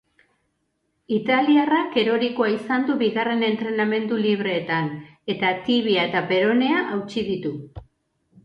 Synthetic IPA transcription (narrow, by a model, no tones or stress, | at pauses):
it̪aliarake̞ɾo̞ɾikoaisand̪uβiɣare̞ne̞nt̪ɾe̞name̞nd̪uliβ̞ɾe̞ːt̪ane̞t̪at̪iβiae̞t̪ape̞ɾo̞ne̞aʔawt͡ʃiðit̪u